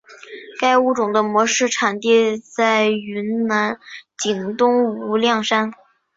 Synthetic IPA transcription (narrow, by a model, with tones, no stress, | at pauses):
ka˥ɪu˥˩ʈ͡ʂʊ˨˩ŋd̪ə˦mwɔ˧˥ʂɻ̩˥˩ʈ͡ʂʰa˨˩nt̪i˥˧t͡sa˥˩ɪy˧˥nna˧˥nt͡ɕi˨˩ŋt̪ʊ˥ŋu˧˥ljɑ˥˩ŋʂa˥n